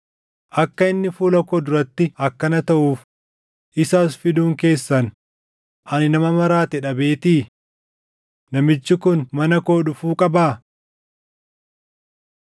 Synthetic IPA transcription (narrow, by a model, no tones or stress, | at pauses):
ʔɐkːɐɪnːɪfuːlɐkod̪ʊɾɐt̪ːɪɐkːɐnɐt̪ɐʔuːf | ʔɪsaːsfɪd̪uːŋke̞ːsːɐn | ʔɐnɪnɐmɐmɐɾaːt̪ɛᶑɐbe̞ːt̪iː | nɐmɪt͡ʃːɪkʊnmɐnɐko̞ːɗʊfuːkʼɐbaː